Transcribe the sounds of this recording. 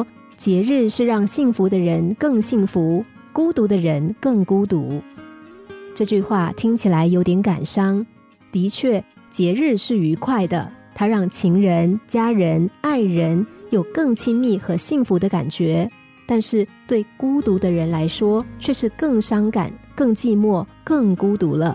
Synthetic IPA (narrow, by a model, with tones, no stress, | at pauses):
t͡ɕjɛ˧˥ɻɻ̩˥˧ʂɻ̩˥˧ɻɑ˥˧ŋɕi˥˩ŋfu˧˥d̪ə˧ɻə˧˥nkɤ˥˧ŋɕi˥˩ŋfu˧˥ | ku˥t̪u˧˥d̪ə˧ɻə˧˥nkɤ˥˩ŋku˥t̪ṵ˧˥ | ʈ͡ʂɤ˥˧t͡ɕy˥˧xwa˥˩t̪ʰi˥ŋt͡ɕʰi˨˩la˧˥ɪjo˧˥ʊt̪jɛ˧˥nka˨˩nʂɑ˥ŋ | t̪i˧˥t͡ɕʰɥɛ˥˩ | t͡ɕjɛ˧˥ɻɻ̩˥˧ʂɻ̩˥˩y˧˥kʰwa˥˩ɪd̪ə̰˩t̪ʰa˥ɻɑ˥˩ŋt͡ɕʰi˧˥ŋɻə˧˥nt͡ɕja˥ɻə˧˥na˥˩ɪɻə˧˥njo˨˩ʊkɤ˥˩ŋt͡ɕʰi˥nmi˥˩xɤ˧˥ɕi˥˩ŋfu˧˥d̪ə˧ka̰˨˩nt͡ɕɥɛ˧˥ | t̪a˥˧nʂɻ̩˥˩˧t̪we˥˩ɪku˥t̪u˧˥d̪ə˧ɻə˧˥nla˧˥ɪʂwɔ˥t͡ɕʰɥɛ˥˧ʂɻ̩˥˧kɤ˥˩ŋʂɑ˥ŋka̰˨˩˦nkɤ˥˧ŋt͡ɕi˥˧mwɔ˥˩kɤ˥˩ŋku˥t̪u˧˥lə˧